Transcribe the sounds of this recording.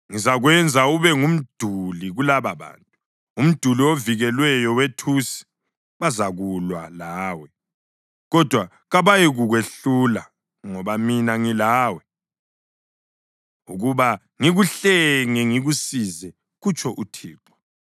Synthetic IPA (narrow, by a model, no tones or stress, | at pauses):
ŋizaɣwɛnd͡zʱauβɛŋum̩d̥ʱuliɣulaβaβa̰ːntʼu | um̩d̥ʱulioviɣɛlwɛjɔwetʰusi̥ | βazaɣulwa̰laːwɛ | ɣɔd̥ʱwa | ɣaβajɛɣuɣweɬula | ŋɔβaminaŋilaːwɛ | uɣuβa | ŋiɣuɬɛŋɛŋiɣusizɛ | ɣut͡ʃʰʼɔʔutʰiːǃɔ̥